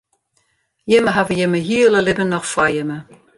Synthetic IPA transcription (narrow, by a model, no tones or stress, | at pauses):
jɪməɦavəjəməɦiələlɪbənɔxfajəmə